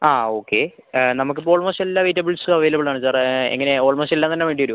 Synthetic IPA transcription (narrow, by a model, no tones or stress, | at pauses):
aːo̞ːkːe | nɐmuk̬ːɨpoːɭmoːselːaːʋeːtːɐbɨɭsɨɐʋelɐbɐɭaːɳɨt͡ɕaːrḛŋːɐne̞oːɭmoːɕelːaːt̪ɐnːeʋeːɳɖiɐɾu